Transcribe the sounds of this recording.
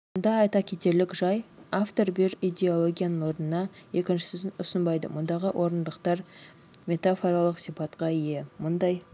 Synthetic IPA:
mond̪ɑːjt̪ɑkʲʰet̪e̞ɾlɪkʒɑjaft̪o̞ɾbeɾijd̪ʲe̞o̞lˠoɡʲijanənwo̞ɾənənɑe̞kʲɪnʃɪ̥sɪsɪnʊsənbɑjd̪ə̰mʊnd̪ɑʁəʔwʔo̞ɾənd̪əqt̪ɑɾ | mʲe̞t̪afo̞ɾalˠəqsipɑt̪qɑije̞mʊnd̪ɑj

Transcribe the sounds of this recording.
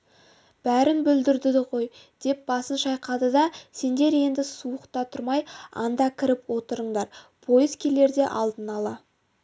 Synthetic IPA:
b̥æɾɪnbʏld̪ɪɾd̪ɪd̪ɪʁo̞jd̪̥e̞p̚b̥ɑsənʃɑjqɑd̪əd̪ɑse̞nd̪e̞ɾe̞nd̪ɪsuəqt̪ɑt̪ʰʊɾmɑjɑ̰nd̪ɑkʲʰɪɾɪpwo̞t̪əɾəɴd̪ɑɾpʰo̞jɪzkʲʰe̞le̞ɾd̪e̞ʔɑlˠd̪ənɑlˠɑ

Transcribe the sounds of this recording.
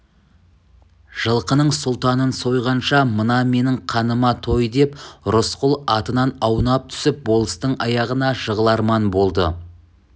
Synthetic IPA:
ʒ̥əlˠqənəɴsʊlˠt̪ɑnənso̞jʁɑnʃɑmənɑme̞nɪɴqʰɑnəmɑt̪ʰo̞jd̪e̞pɾʊsqʊlˠɑt̪ənɑnɑwnɑp̚t̪ʰʏ̥sɪp̚bo̞lˠəst̪əɴɑjɑʁənɑʒəʁəlˠɑɾmɑnbo̞lˠd̪ə

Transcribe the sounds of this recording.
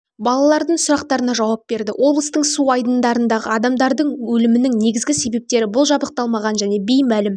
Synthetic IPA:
bɑlˠɑlˠɑɾd̪əɴsʊɾɑq̚t̪ɑɾənɑʒɑwɑpbe̞ɾd̪ɪwʔo̞blˠəst̪əɴsuɑjd̪ənd̪ɑɾənd̪ɑʁə̰ɑd̪ɑmd̪ɑɾd̪əɴwɵlɪmɪnɪŋne̞ɡʲɪzɡʲɪse̞be̞p̚t̪e̞ɾɪbʊlˠʒɑbəq̚t̪ɑlˠmɑʁɑnʒæne̞bejmælɪm

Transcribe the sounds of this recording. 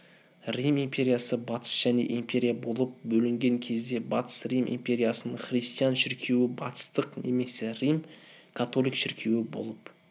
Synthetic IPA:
rʲimimpʲe̞ɾʲijasəbɑt̪ʰə̥sʒ̥ænḛʔimpʲe̞ɾʲijabo̞lˠəp̚bɵlɪŋɡʲeŋkʲʰe̞zd̪e̞bɑt̪ə̥srijmʔḭmpʲe̞ɾʲijasənəɴχrijst̪ijanʃɪɾkʲʰe̞wɪbɑt̪ə̥st̪əqneme̞sɪrʲijmkʰat̪o̞lʲˠijkʃɪɾkʲʰe̞wɪbo̞̰lˠəp

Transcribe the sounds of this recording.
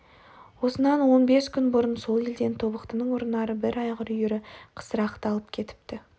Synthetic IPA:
wo̞sənɑnwo̞nbe̞skʲʰʏnbʊɾənso̞lˠe̞ld̪e̞nt̪ʰo̞bəqt̪ənəɴwoɾnɑɾəbɪɾɑjʁəɾʏjʏɾɪqʰə̥səɾɑqt̪ɑlˠəpkʲʰe̞t̪ɪ̥p̚t̪ɪ

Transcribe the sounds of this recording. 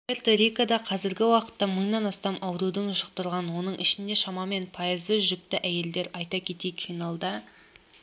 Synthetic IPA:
pʲe̞rt̪oɾijkad̪ɑqʰɑzɪɾɡʲɪwɑqə̥t̪ːɑməɴnɑnɑst̪ɑmʔɑwɾud̪əɴʒəq̚t̪əɾˠʁɑnwo̞nəɴʔɪʃɪnd̪e̞ʃɑmɑme̞npʰɑjəzəʒʏk̚t̪ɪʔæje̞ld̪e̞ɾɑjt̪ɑkʲʰe̞t̪ejkfinalˠd̪ɑ

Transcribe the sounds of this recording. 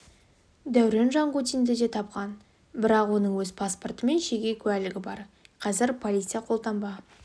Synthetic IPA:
d̪æwɾenʒɑɴqut̪ijnd̪ɪd̪e̞t̪ʰɑp̚qɑn | bɪɾɑqwo̞nəɴwɵzpʰaspo̞rt̪əme̞nʃeɡʲe̞kʲʰʉælɪɡʲɪbɑɾqʰɑzɪɾpʰolʲijt̪sɨjɑqʰo̞lˠt̪ɑmbɑ

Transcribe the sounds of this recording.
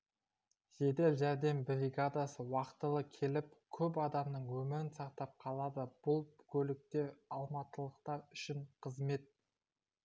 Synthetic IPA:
ʒ̥e̞d̪e̞lʒæɾd̪e̞mbɾʲiɡad̪asəwɑqt̪əlˠəkʲʰe̞lɪp̚kʲʰɵp̬ɑd̪ɑmnəɴwɵmɪɾɪnsɑq̚t̪ɑp̚qʰɑlˠɑd̪əb̥ʊlˠkʲʰɵlɪk̚t̪e̞ɾɑlˠmɑt̪əlˠəqt̪ɑɾʏʃɪɴqʰəzme̞t̪̚

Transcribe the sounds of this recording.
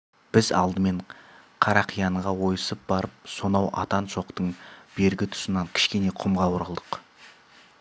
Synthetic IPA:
b̥ɪzɑ̰lˠd̪əme̞ɴqʰɑɾɑqʰijɑɴʁɑwo̞jəsəp̚bɑɾəp̚so̞nɑwʔɑ̰t̪ɑnʃo̞qt̪əɴb̥e̞ɾɡʲɪt̪ʰʊ̥sənɑŋkʲʰɪ̥ʃkʲe̞ne̞qʰʊmʁɑwʊɾəlˠd̪əq

